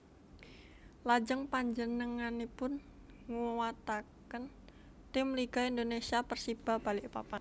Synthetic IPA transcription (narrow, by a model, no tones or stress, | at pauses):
lad͡ʒəŋpaɲd͡ʒənəŋanipʊn | ŋuwat̪akən | t̪ɪmliɡaind̪onesiapərsib̥a̤hb̥alɪʔpapan